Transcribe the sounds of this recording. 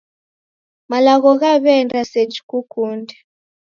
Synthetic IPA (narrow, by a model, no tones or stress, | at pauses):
malaɣɔɣaβɛndased͡ʒkukuːndɛ